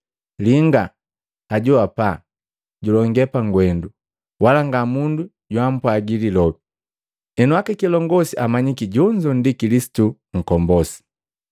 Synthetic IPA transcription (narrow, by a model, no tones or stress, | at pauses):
liŋɡa | aɟuapa | ɟulɔŋɡɛpaŋɡwɛndu | walaŋɡamundu | ɟwam̩pwaɡililɔbi | ɛnuakɛkilɔŋɡɔsiʔamaɲikiɟɔɲd͡ʒɔndikilisi̥tu | ŋ̩kɔmbɔsi̥